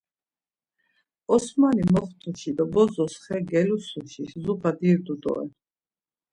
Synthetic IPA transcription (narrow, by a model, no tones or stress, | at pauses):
ɔsmanimɔχt̪ʰuʃid̪abɔzɔsχɛɡɛlusuʃiszupʰad̪iɾd̪ud̪ɔ̰ɛ̰